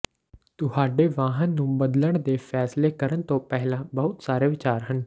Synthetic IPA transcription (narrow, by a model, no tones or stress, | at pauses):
t̪ʊhaːɖeːʋaːɦənːũːbəd̪ləɳd̪eːfʰɛːsleːkəɾənt̪õːpɛɦlãːbəɦʊt̪saːɾeːʋɪt͡ʃaːɾɦən